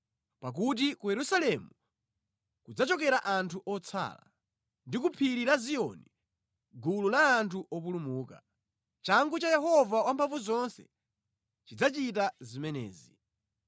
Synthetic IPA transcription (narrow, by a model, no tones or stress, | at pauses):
pak̬ut̬ikujɛɾusalɛmu | kud͡zat͡ʃɔk̬ɛɾaʔantʰuʔɔt͡sʰa̰la̰ | ndikupʰiɾilazijɔni | ɡululaːntʰuʔɔp̬ulumuːka̰ | t͡ʃaŋɡut͡ʃajɛɦɔvawampʰavuzɔnsɛ̰ | t͡ʃid͡zat͡ʃit̬azimɛnɛ̰ːzi